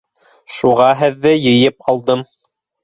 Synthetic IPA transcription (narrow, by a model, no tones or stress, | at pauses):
ʃuʁɑɦɘðːɘjɤ̆jɤpɑlˠd̪ɤm